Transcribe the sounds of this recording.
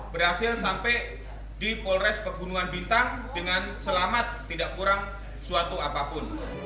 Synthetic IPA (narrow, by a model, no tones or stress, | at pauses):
bəɾhasɪlsampɛ | dipɔlɾɛspəbunuŋanbint̪aŋdəŋansəlamat̪ːidaʔkuɾaŋ | suat̪uapapʊn